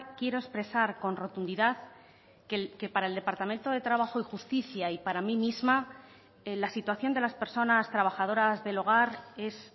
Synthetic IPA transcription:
kje̞ɾo̞espɾe̞saɾko̞nro̞t̪und̪iðaθ | keke̞paɾae̞ld̪e̞paɾt̪amẽ̞nt̪o̞ð̞e̞t̪ɾaβ̞axo̞ixust̪iθjaipaɾamimizma | elasit̪waθjo̞nd̪e̞laspe̞ɾso̞nast̪ɾaβ̞axað̞o̞ɾazðe̞lo̞ɣ̞aɾe̞s

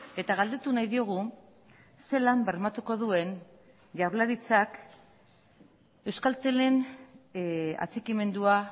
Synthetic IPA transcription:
e̞t̪aɣald̪e̞t̪unajðio̞ɣ̞u | se̞lambe̞ɾmat̪uko̞ðue̞n | ʝawɾlaɾit͡sak | e̞wskalt̪ele̞n | a̰t͡sikime̞nd̪ua

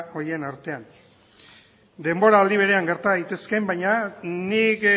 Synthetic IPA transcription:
o̞ɾie̞naɾt̪e̞an | d̪e̞mbo̞ɾaːld̪iβ̞e̞ɾe̞aŋɡe̞ɾt̪aðit̪e̞ske̞mbajɲanik

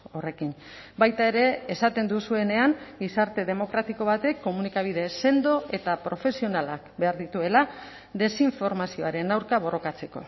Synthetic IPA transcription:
ore̞kin | bajt̪ae̞ɾe̞ːsat̪e̞nd̪usue̞ne̞aŋɡisaɾt̪e̞ð̞e̞mo̞kɾat̪iko̞βat̪e̞kːo̞munikaβ̞iðe̞se̞nd̪o̞ʔe̞t̪apɾo̞fe̞sio̞nalak̚be̞aɾðit̪ue̞la | ðe̞siɱfo̞ɾmasio̞aɾe̞nawɾkaβ̞o̞ro̞kat͡se̞ko̞

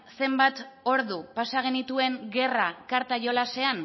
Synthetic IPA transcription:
se̞mbat̪o̞ɾðupasaɣ̞e̞nit̪ue̞ŋɡe̞rakaɾt̪aʝo̞lase̞an

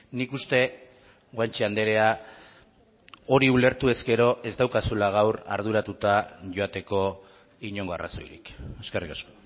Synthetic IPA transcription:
nikust̪e̞ | ɡwant͡ʃiand̪e̞ɾe̞a | o̞ɾiule̞ɾt̪ue̞ske̞ɾo̞ʔe̞zd̪awkasulaɣ̞awra̰ɾð̞uɾat̪ut̪aʝo̞at̪e̞ko̞ | iɲo̞ŋɡo̞ara̰so̞̰jɾḭke̞skarikasko̥

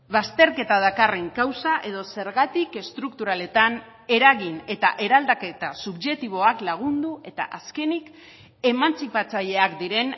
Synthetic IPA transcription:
βast̪e̞ɾke̞t̪aðakareŋkawsaʔe̞ð̞o̞se̞ɾɣat̪ike̞st̪ɾuk̚t̪uɾale̞t̪an | e̞ɾaɣine̞t̪aʔe̞ɾald̪ake̞t̪asubʝe̞kt̪iβ̞o̞aklaɣ̞und̪ue̞t̪a̰ʔaske̞nik | e̞mant͡sipat͡saʎe̞akd̪iɾe̞n

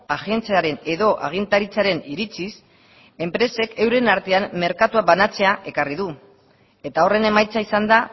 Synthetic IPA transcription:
aʝent͡seaɾe̞ne̞ðo̞ʔa̰ɣ̞int̪aɾit͡saɾe̞niɾit͡sis | e̞mpɾe̞se̞ke̞wɾe̞naɾt̪e̞amːe̞ɾkat̪uabanat͡se̞aʔe̞kariðu | e̞t̪ao̞re̞ne̞majt͡saisand̪a

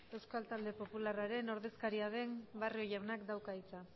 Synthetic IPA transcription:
e̞wskalt̪ald̪e̞po̞pularaɾe̞no̞ɾðe̞skaɾiaðe̞mbariojawnakd̪awkait͡sa

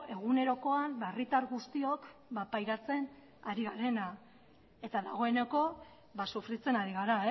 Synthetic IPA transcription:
e̞ɣ̞une̞ɾo̞ko̞ambaerit̪aɾɣust̪io̞kbapajɾat͡se̞n | aɾiɣaɾe̞na | e̞t̪aðaɣ̞o̞e̞neko̞ | βasufɾit͡se̞naɾiɣ̞aɾae

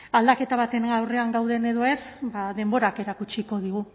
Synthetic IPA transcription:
ald̪ake̞t̪aβat̪e̞nawre̞aŋɡawðe̞ne̞ðo̞esbaðe̞mbo̞ɾake̞ɾakut͡ʃiko̞ð̞iɣ̞u

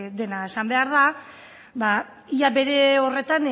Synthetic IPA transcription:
d̪e̞nae̞sambe̞aɾða | ba | iabe̞ɾe̞o̞re̞t̪an

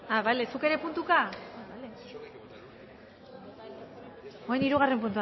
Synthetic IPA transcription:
aβajle̞suke̞ɾe̞punt̪ukaaβajle | oejniɾuɣ̞are̞mpunt̪ua

